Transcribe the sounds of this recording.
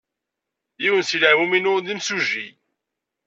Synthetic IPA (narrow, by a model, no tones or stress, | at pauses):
jiwənsilaʕwuminʊʁd̪imsuʒi